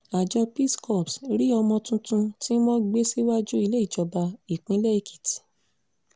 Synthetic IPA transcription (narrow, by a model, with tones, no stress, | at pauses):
a˨d͡ʒɔ˧pi˦skɔ˦˨psɾi˦ɔ˧mɔ̃˧tũ˧tũ˧ti˦mɔ̃˦ɡ͡be˦si˦wa˦d͡ʒu˦i˧le˦i˦˨d͡ʒɔ˧ba˧i˨k͡pĩ˨˦le˦i˧kʰi̥˨ti̥˨